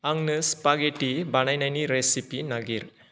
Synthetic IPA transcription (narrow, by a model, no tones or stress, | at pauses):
aŋnɯspaɡeʈibanajnajniɾesipinaɡiɾ